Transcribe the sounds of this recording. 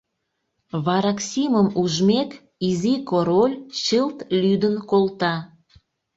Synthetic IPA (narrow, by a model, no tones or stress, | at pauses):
βɑɾɑksʲiməmuʒmek | izikoɾolʲt͡ɕəlt̪lyd̪ənkolt̪ɑ